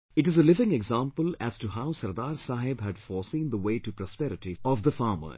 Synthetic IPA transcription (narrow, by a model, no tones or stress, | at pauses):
ɪʈɨzəlɪvɪ̃ŋɛɡzãmpəlæ̰z̥ʈuɦaʊsɐɾd̪aːɾsaːɦɪbɦæɖfɔːsĩːnd̪əweːʈupɾɔspɛɾɪʈiɔʋd̪əfaːmə̰